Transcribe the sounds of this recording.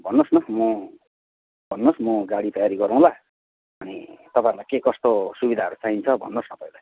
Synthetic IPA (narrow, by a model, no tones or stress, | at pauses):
bʱʌnːosnʌmʌ | bʱʌnːosmʌɡaɽit̪ʌjaɾiɡʌɾuw̃la | ʌnit̪ʌpãjɾulakekʌst̪osubid̪ʱaʌɾut͡saint͡sʰʌbʱʌ̰nːosnʌpʌjlaj